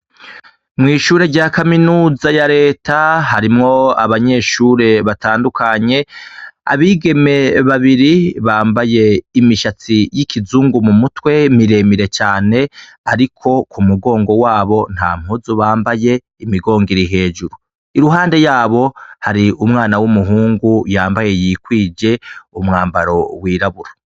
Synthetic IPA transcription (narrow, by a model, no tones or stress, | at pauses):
mŋiːʃuːɾe̞ɾɟaːkaminuːzajaɾe̞ːtʰaɦaɾimŋo̞a̰βaɲe̞ʃuːɾe̞βataːndukʰaɲe̞a̰βiːɡe̞me̞βaβiɾiβaːmbaje̞imiʃat͡sijikʰizuːŋɡumumutwe̞miɾe̞miɾe̞t͡ʃaːne̞ | aɾikʰo̞kumuɡo̞ːŋɡo̞waːβo̞n̥ha̰ːm̥huzuβaːmbaje̞ | imiɡo̞ːŋɡiɾiɦe̞ːd͡ʒuɾu | iɾuɦaːnde̞jaːβo̞haɾiumŋaːnawumuɦuːŋɡujaːmbaje̞jiːkwiːd͡ʒe̞umŋaːmbaɾo̞wiːɾaβuɾa